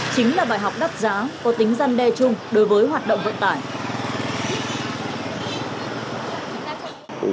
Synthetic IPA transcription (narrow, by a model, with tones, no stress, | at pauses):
t͡ɕï˨˦ŋ̟laː˨˩ɓaː˧˩jɦa˨˩wk͡p̚ɗa˦˥t̚zaː˨˦kɔ˨˦t̪ï˨˦ŋ̟za˧nɗɛ˧t͡ɕʊ˧ŋ͡mɗo˨˦jvəː˨˦jɦwaː˨˩t̚ɗə̰˧˨wŋ͡mvə̰˧˨nt̪a̰ː˧˩j